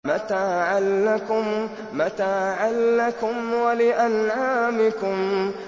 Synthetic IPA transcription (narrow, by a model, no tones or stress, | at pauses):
mat̪aːʕalːakʊm | mat̪aːʕalːakʊmwalɪʔanʕaːmɪkʊm